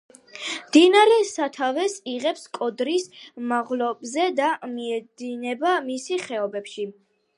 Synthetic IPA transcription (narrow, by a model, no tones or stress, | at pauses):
md̪̥inaɾɛsat̪ʰavɛsiʁɛpskʼɔd̪ɾismaʁlɔbzɛd̪amiɛd̪inɛbamisiχɛɔbɛpʃi